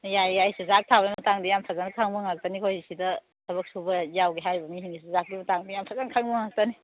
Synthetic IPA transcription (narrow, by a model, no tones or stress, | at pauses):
jajːajsuzak̚tʰabɐnmɐtaŋdijampʰazankʰaŋbɐŋak̚tanikʰojisidɐ | sʰɐbɐk̚subɐjawɡiɦajbɐmiɦiŋisizak̚dimɐtaŋdijampʰazankʰaŋbɐŋak̚tani